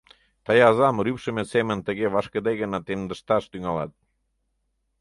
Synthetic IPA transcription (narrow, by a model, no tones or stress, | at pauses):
t̪ɑjɑzɑmɾypʃə̆mesemənt̪ə̆ɣeβɑʃkə̆d̪ejɣənɑt̪emd̪ə̆ʃt̪ɑʃt̪yŋɑlɑ̰t̪̚